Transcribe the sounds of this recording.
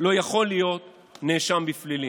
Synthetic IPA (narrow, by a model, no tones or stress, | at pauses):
lo̞jaχo̞lijo̞t̪ | neʃambiflili